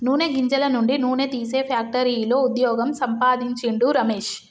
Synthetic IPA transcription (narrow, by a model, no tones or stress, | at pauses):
nuːneɡiɲd͡ʒɐlɐnuɳɖinuːnet̪iːse̞ːpʰjaːk̚ʈɐɾiːloːud̪jɔːɡɐmsɐmpaːd̪iɲt͡ʃiɳɖuɾɐme̞ːʃ